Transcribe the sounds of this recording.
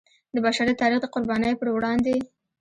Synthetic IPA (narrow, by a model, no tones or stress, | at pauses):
d̪əbaʃaɾit̪ɑɾixd̪əqʊɾbɑnəjopəɾwɽɑnd̪e